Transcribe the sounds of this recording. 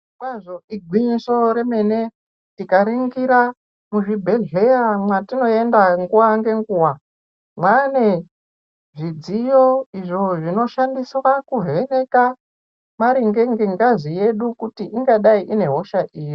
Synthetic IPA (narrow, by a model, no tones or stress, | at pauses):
kwaʐo̞ʔiɡʱwiɲiso̞ɾe̞me̞ne̞ | tikaɾiŋɡiɾa | muʐibʱe̞ɮe̞jamwatino̞e̞ndaŋɡuwaŋɡe̞ŋɡuːwa | mwane | ʐid͡zijo̞iʐo̞ʐino̞ʃandiswakuve̞ne̞ka | maɾiŋɡe̞ŋɡeŋɡazije̞ɗukutiʔiŋɡaɗaiʔine̞ɦo̞ʃaʔiːji